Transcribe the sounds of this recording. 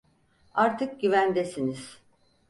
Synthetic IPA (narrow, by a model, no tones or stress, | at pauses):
aɾt̪ʰɯk̚ɟyvænd̪esiniz̥